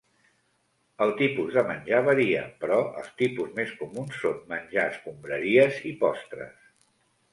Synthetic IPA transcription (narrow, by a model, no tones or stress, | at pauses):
əlˠt̪ipuzðəmənʲʒaβəɾiə̰pɾɔə̰lˠst̪ipuzmeskumunsːonmənʲʒaəskumbɾəɾiəzipɔst̪ɾə̰s